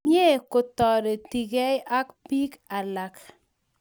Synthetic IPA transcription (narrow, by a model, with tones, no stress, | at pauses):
e˦ko˨tɔ˨ɾe˨ti˨ɡɛ˦ja˦kpi˦ka˨la˨k